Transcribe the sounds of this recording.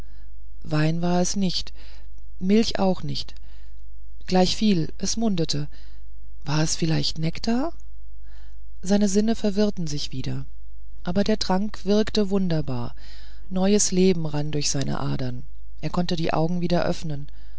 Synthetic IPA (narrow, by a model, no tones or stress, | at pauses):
vaɪnvaːɐɛsnɪçt | mɪlçʔa̰ʊxnɪçt | ɡ̥laɪçfiːl | ʔɛsmʊndətʰə | v̥aːɐɛsfɪlaɪçtnɛkd̥aː | z̥aɪnəzɪnəfɛɐvɪʁtn̩zɪçv̥iːdɐ | ʔaːbɐdeːɐtʁ̥aŋkv̥ɪɐktəvʊndɐba̰ːɐ | nɔʏəsleːbm̩ʁandʊɐçz̥aɪnə̰ʔa̰ːdɐn | ʔeːɐkʰɔntədiːʔa̰ʊɡŋ̩viːdɐʔœ̰fnən